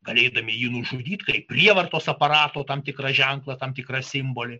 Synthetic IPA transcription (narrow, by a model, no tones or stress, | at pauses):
ɡɐlʲeːd̪ɐmʲɪjiːnʊʒʊd̪ʲiːt̪kɐɪpʲrʲiɛʋɐrt̪oːsɐpɐɾɑːt̪oːt̪ɐmt̪ʲɪkrɐʒʲɛŋklˠɐt̪ɐmt̪ʲɪkrɐsʲɪmboːlʲɪ